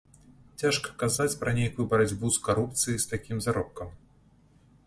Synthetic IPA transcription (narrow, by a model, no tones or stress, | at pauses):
t͡sʲaʂkɐ̥kazat͡sʲpɾɐnʲejkujubɐɾad͡zʲbuskaɾup̚t̪sɨjist̪akʲimzaɾɔp̚kɐm